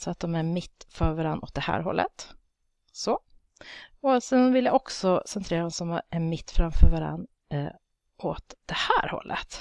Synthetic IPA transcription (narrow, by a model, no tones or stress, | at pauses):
sɔat̪̚d̪ɔmæɾmɪt̪ːfœɾvaɾanːɔ̰t̪̚d̪ɛhæ̰ːɾɦɔ̰lːʔə̰t̪ | sɔ | ɔsɛnvɪljaʔɔksɔsɛnt̪ʰɾeːɾad̪ɔmsɔmæmɪt̪ːfɾamfœːɾvaɾa̰nː | ɔt̪d̪̥ɛhæːɾhɔ̰lːʔə̰t̪